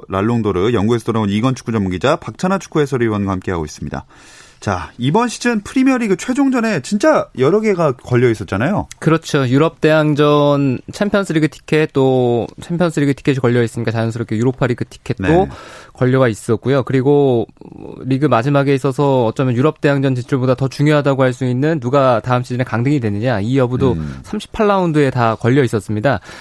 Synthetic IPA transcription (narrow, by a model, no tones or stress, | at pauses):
ɾaɭːoŋdoɾɯjʌŋɡuesʰʌt͈oɾaoniɡʌnt͡ɕʰu̥k͈ʰud͡ʑʌmːuŋɡid͡ʑapak̚t͡ɕʰanat͡ɕʰu̥k͈ʰue̞sʰʌɾɯibʌnɡahamk͈e̞ɦaɡo̰is͈ɯmɲida̰ | t͡ɕaibʌnɕʰi̥d͡ʑɯnpʰɯɾimjʌɾiɡɯt͡ɕʰwed͡ʑoŋd͡ʑʌne̞t͡ɕint͡ɕ͈ajʌɾʌɡe̞ɡakʌʎːʌis͈ʌt̚t͡ɕ͈anajokɯɾʌt͡ɕʰojuɾʌp̚t͈e̞ɦaŋd͡ʑʌnt͡ɕʰampʰjʌnsʰɯɾiɡɯtʰi̥kʰe̞t͈ot͡ɕʰempʰjʌns͈ʰɯɾiɡɯtʰi̥kʰeɕʰikʌʎːʌis͈ɯmɲik͈at͡ɕajʌnsʰɯɾok͈ʰejuɾopʰaɾiɡɯtʰi̥kʰe̞t̚n͈okʌʎːʌɡais͈ʌt̚k͈ujokɯɾiɡo̰ | ɾiɡɯmad͡ʑimaɡe̞is͈ʌsʰʌːt͡ɕ͈ʌmjʌnjuɾʌp̚t͈eɦaŋd͡ʑʌnt͡ɕit͡ɕʰɯɭbodatʌt͡ɕuŋjoɦadaɡoɦaɭs̬͈uinːɯnːuɡataɯmɕʰid͡ʑinekaŋdɯŋidwe̞nɯɲaijʌbudosʰamɕʰi̥pʰaɭːaundɯe̞takʌʎːʌis͈ʌs͈ɯmɲida